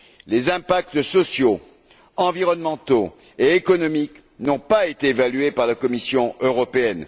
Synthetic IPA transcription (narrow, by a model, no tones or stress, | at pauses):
lezɛ̃pak̚t̪sɔsjo | ɑ̃viʁɔnmɑ̃t̪o | eekɔnɔmik | nɔ̃paet̪eːvalɥepaʁlakɔmisjɔ̃øʁɔpeɛn